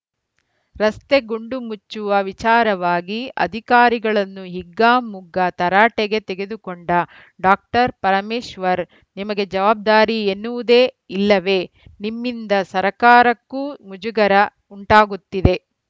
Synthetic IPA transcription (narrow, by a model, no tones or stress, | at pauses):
ɾɐst̪e̞ɡuɳɖumut͡ʃːuʋɐʋit͡ʃaːɾɐʋaːɡiɐ̰d̪ʱikaːɾiɡɐɭɐnːuɦiɡːaːmuɡɐt̪ɐɾaːʈeɡe̞t̪eɡe̞d̪ukoɳɖɐ | ɖaːk̚ʈɐɾpɐɾɐmeːʃʋɐɾ | nimɐɡe̞d͡ʒɐʋaːb̚d̪aːɾienːuʋud̪eː | ilːɐʋe̞ | nimːind̪ɐsɐɾɐkaːɾɐkːumud͡ʒuɡɐɾɐ | uɳʈaːɡut̪ːid̪e̞